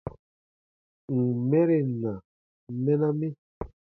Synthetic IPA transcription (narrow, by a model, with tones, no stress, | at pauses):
ŋ̩˨mɛ˦ɾe˦na˨ | mɛ˦na˦me˦